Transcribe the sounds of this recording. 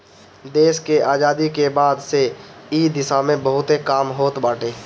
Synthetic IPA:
d̪eːʃkeʔaːd͡ʒaːd̪ikebaːd̪seid̪ɪsamẽbəɦʊt̪ɦekaːmɦoːt̪baːʈʰeː

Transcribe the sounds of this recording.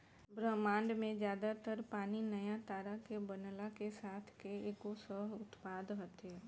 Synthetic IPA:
bɾəmãːɳɖmẽd͡ʒjaːd̪at̪əɾpaːninɐjat̪aːɾakebənlakesaːt̪ʰkeeːkosəɦʊt̪paːd̪ɦət̪eː

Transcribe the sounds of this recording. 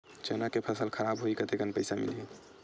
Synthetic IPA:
t͡ʃenakepʰəsəlkʰəɾabɦoikət̪ekənpəɪsamḭlɦi

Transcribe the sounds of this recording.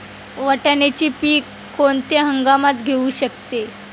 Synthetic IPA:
ʋəʈanet͡ɕiːpiːkːoɳt̪jaɦəŋɡamat̪ɡʱeuɕək̚t̪e

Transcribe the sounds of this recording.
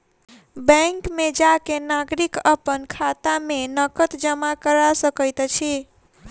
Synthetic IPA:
bə̃ŋkmed͡ʒakenaɡɾikəpənkʰat̪amenəkət̪d͡ʒəmakəɾasəkəjt̪t͡ʃʰi

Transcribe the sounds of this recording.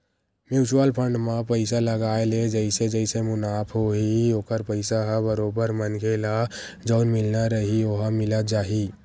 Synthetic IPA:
mjuːt͡ʃuwəlpʰə̃ɳɖmãpəɪsaləɡaːeled͡ʒəɪsed͡ʒəɪsemʊnaːpʰɦoioːkəɾpəɪsaɦabəɾoːbəɾmənkʰeːla | d͡ʒəʊnmɪlnaɾəɦioɦəmɪlət̪d͡ʒaːɦi

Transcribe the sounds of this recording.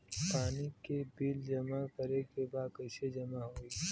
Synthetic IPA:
paːnikebiːld͡ʒɐmakəɾekebaːd̪̚kɐɪsed͡ʒɐmaɦoːiː

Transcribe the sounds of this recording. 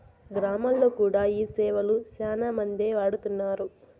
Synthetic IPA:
ɡɾaːmalːoːkuːɽaːiːsɛːʋɐlusaːnamɐnd̪eːʋaːɽut̪unːaːɾu

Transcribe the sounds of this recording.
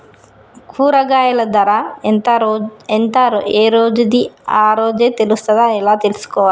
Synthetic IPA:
kʰuːɾɐɡaːjɐlɐd̪ɐɾa | ɛnt̪ɐeːɾoːd͡ʒud̪iaːɾoːd͡ʒeːt̪elust̪ɐd̪aɛlaːt̪elisu̥kɔːʋaːi

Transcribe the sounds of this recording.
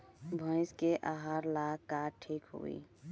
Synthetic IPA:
bʱə̃ɪ̃skeʔaːɦaːɾlakaʈʰiːkɦo̰ḭː

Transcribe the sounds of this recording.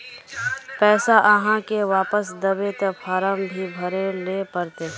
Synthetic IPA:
pɛːsaʔɐɦãkeʋaːpəsd̪ɐbet̪efʰaːɾəmbʱibʱɐɾelepəɾt̪eɦɛ̃

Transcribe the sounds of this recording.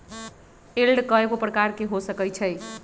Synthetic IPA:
elɖkʌekoprʌkarkeɦosʌkʌjt͡sʰʌj

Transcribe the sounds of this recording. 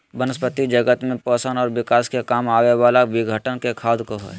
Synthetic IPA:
bənəspət̪id͡ʒəɡət̪mẽpəːsənɔːɾʋɪkaːskekaːmaːweʋaːlaʋɪɡʱəʈənkekʰaːd̪koɦɛ̰ː

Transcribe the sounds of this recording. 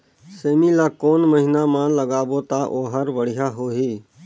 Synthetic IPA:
seːmilaːkoːnməɦɪnamãləɡaːbot̪aʔoːɦəɾʋəɽɪɦaɦoːɦiː

